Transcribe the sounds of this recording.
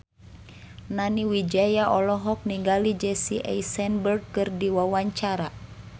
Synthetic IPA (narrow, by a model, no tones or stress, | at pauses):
naniwid͡ʒajaʔɔlɔɦɔk̚niŋɡalid͡ʒɛsiʔɛ̰isɛnbərd̚kɨrdiwawaɲt͡ʃaɾa